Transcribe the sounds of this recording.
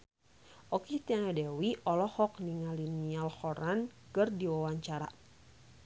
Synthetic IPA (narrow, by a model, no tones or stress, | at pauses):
ʔɔkit̪anadɛwiʔɔlɔhɔk̚niŋalinialhɔɾankɨrdiwawaɲt͡ʃaɾa̰